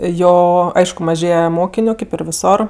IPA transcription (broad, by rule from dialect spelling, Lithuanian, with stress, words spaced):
ˈjoː ˈɐɪʃkʊ mɐˈʒʲeːjɛ ˈmoːkʲɪnʲʊ kʲeːp ɪr ʋʲɪˈsoːr